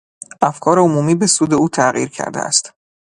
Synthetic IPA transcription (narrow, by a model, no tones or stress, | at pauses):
ʔæfkʰɒːɾeomuːmiːbe̞suːd̪e̞uːt̪ʰæʁḭːɾcʰæ̰ɾd̪ḛæ̰st̪